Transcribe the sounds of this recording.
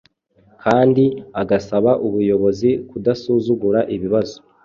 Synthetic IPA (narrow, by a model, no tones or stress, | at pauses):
kʰaːndiaɡasaβaʔuβujo̞βo̞zikudasuzuɡuɾaʔiβiβazo̞